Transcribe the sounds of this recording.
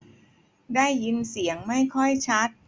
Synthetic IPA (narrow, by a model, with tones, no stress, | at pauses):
daː˥˩jːi˧nsi˨˩˦əŋma˥˩jkʰɔ˥˩jt͡ɕʰa˦˥t̪̚